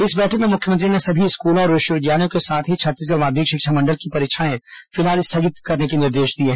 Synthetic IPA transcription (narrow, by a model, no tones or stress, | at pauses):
ɪsbɛːʈʰəmẽmʊkʰjəmə̃nt̪ɾinesɐbʱiɪskuːlõɔːɾʋɪʃəʋɪd̪jaːnijõkesaːt̪ʰɦit͡ʃʰɐt̪ːis̬ɡɐɾmaːd̪ʱiːkʃɪkʃamɐ̃ɳɖəlkipɐɾeːkʃʰaːnẽfɪlɦaːlɪst̪ʰɐɡɪt̪kɐɾnekenɪɾd̪eːʃd̪ieɦɛ